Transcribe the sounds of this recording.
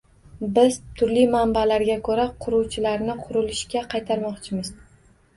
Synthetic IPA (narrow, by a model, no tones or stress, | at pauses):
bɪz̥t̪ʰʊɾlimambalaɾɡʲakʰɵɾaqʰʊɾuwt͡ʃʰɪlaɾnɪqʰʊɾɪlɪʃkʲaqʰɑjt̪ʰaɾmɒqt͡ʃʰɪmɪz̥